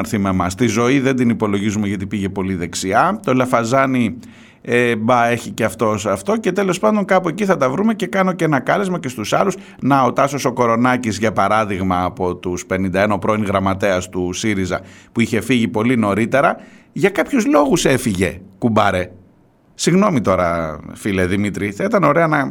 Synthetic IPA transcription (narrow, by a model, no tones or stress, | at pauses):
ɾθimemɐst̪izo̞iðe̞nd̪inipo̞lo̞ʝizumeʝɐt̪ipiʝe̞po̞liðe̞ksiɐt̪o̞lɐfɐzɐni | ebɐe̞çiceɐft̪o̞sɐft̪o̞ce̞t̪e̞lo̞spɐnd̪o̞ŋkɐpue̞ciθɐt̪ɐvɾume̞ce̞kɐno̞ceenɐkɐlezmɐce̞st̪usɐlus | nɐo̞t̪ɐsoso̞ko̞ɾo̞nɐcizʝɐpɐɾɐðiɣmɐːpo̞t̪uspe̞nind̪ɐenopɾo̞inɣɾɐmɐt̪e̞ɐst̪usiɾizɐ̰puiçe̞fiʝipo̞lino̞ɾit̪e̞ɾɐʝɐkɐpçuzlo̞ɣuse̞fiʝe̞kumbɐɾe̞ | siɣno̞mit̪o̞ɾɐ̰file̞ðimit̪ɾiθɐit̪ɐno̞ɾe̞ɐnɐ